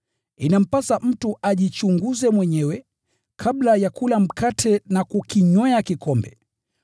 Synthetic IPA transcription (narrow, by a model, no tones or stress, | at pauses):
inam̩pasam̩tuʔaʄit͡ʃuŋɡuzɛmwɛɲɛwɛ | kʰablajakulam̩kʰatʰɛnakukiɲwɛakikɔmbɛ̰